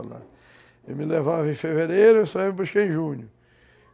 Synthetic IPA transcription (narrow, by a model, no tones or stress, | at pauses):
la̰ | ewmɪlevavẽj̃feveɾejɾʊesaivɐp̬oʃkeẽj̃ʒũɲʊ